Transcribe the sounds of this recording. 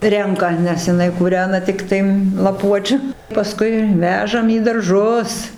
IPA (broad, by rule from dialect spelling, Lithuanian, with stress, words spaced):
ˈrʲɛŋkɐ nʲɛs jɪˈnɐɪ kuːˈrʲæːnɐ ˈtʲɪktɐɪ lˠɐˈpuɔt͡ʃʲʊ pɐˈskʊɪ ˈʋʲæːʒɐm iː dɐrˈʒʊs